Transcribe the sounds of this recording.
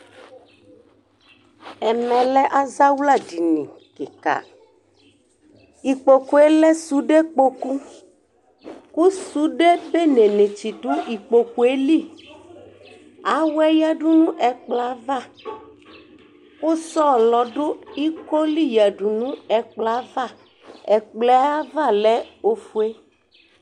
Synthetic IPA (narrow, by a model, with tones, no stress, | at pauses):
ɛ˨mɛ̃˨lɛ˦ʔa˦za˦wla˦˨di˨nĩ˨ | ke˨ka̰˨ | i˨k͡po˨ku˦e˦lɛ˦su˨ɖe˦k͡po˦ku˦ | ku˦su˦ɖe˦be˦ne˨nẽ˨t͡ʃi˨ɖo˦i˨k͡po˨ku˨e˦li˦ | a˨wɛ˦ja˦ɖu˦nũ˦ʔɛ˨k͡pla˦va˦˨ | wo˦sɔ˦˨lɔ˨ɖo˦i˦ko˦li˦ja˨ɖu˨nũ˦ɛ˨k͡pla˨˦va˦˨ | ɛ˨k͡plɛ˦a˦va˦˨lɛ˦o˦fu˨e˦